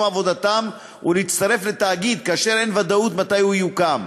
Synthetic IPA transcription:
avo̞d̪at̪am | ṵleit̪t͡st̪aʁe̞fle̞t̪aːɡid̪̚kaaʃe̞ɾe̞nvad̪aut̪mat̪ajuijukam

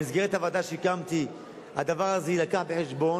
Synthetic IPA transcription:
izɡeʁet̪havad̪aʃekamt̪i | had̪avaʁazeilakaħbe̞ħeʃbo̞

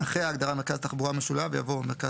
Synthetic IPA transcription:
aχʁeaːɡd̪aʁameʁkazt̪aχbuʁameʃulaveja̰vomeʁka

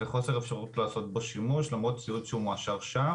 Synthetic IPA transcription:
eχo̞se̞ʁefʃaʁutlaːso̞t̚baʃimuʃlamʁo̞t̚t͡siutʃeumoaʃaʁʃa

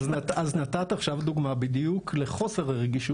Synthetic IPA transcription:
znataznat̪at̪aχʃavd̪uɡmabid̪ijukʰle̞χo̞seʁaʁeɡiʃu

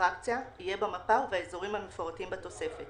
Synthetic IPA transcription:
ʁak̚t͡sjaijebamapaveaezoʁimhamefoʁatimbat̪o̞se̞fet

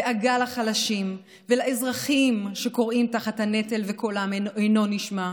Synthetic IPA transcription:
eʔaɡalaχalaʃim | velaezʁaχimʃeko̞ʁʔimtaχathanetelvekolamejno̞niʃma

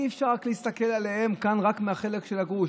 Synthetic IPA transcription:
ifʃaʁakliist̪ake̞lale̞he̞mkanʁakmeaχe̞lekʃelaɡu

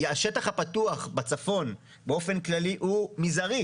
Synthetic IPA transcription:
jaʃetaχhapatuaχbat͡safo̞n | beofe̞nklaliʔumizaʁi

